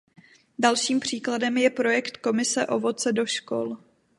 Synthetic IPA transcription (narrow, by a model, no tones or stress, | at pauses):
dalʃiːmpr̝̥iːkladɛmjɛpɾo̞jɛkt̪ko̞mɪsɛʔo̞vo̞t͡sɛdo̞ʃko̰l